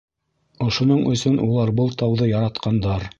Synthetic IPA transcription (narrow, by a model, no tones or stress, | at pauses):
ŏʃŏnoɴʔɵ̆sɵnʔulˠɑɾbɤlˠt̪ɑwðɤjɑɾɑt̪qɑnd̪ɑɾ